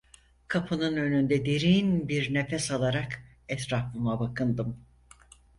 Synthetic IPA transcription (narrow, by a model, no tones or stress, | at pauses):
kʰapʰɯnɯnø̞nynd̪ɛd̪e̞ɾinbiɾne̞fɛsalˠaɾak | ɛt̪ɾaflɯmabakɯnd̪ɯm